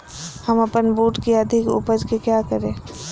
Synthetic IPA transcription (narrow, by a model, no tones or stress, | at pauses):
hɐmɐpənbuːʈkiɐd̪ʱɪkṵpəd͡ʒkikjaːkəɾẽː